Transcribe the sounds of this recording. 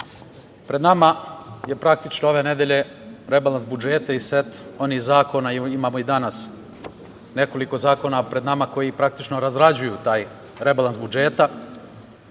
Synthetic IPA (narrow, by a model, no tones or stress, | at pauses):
pɾe̞d̪namaje̞pɾak̚t̪it͡ʃnoo̞ʋe̞ne̞d̪e̞ʎe̞ | ɾe̞balansbud͡ʒeːt̪aisʋet̪o̞nizaːko̞naiimaːmo̞id̪anas | ne̞ko̞liko̞zaːko̞napɾe̞d̪namako̞jipɾakt̪it͡ʃno̞ɾazɾad͡ʑujut̪aːj | ɾe̞balˠansbud͡ʒe̞ːt̪a